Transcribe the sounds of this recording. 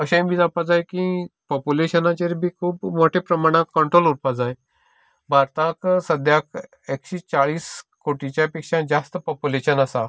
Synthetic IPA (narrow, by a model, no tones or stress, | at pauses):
əɕãbʱiːd͡zapad͡zajkĩpɔpuleɕənãt͡ɕeɾbʱiːkʰuːpmoʈʰepɾəmaɽ̃ãkkːəɳʈɾoluɾpad͡zaj | bʱaɾt̪ãksəd̪ʱjak | ekɕiːt͡saɭiːskoʈit͡ɕjapikʂãd͡zast̪əpɔpuleɕənasa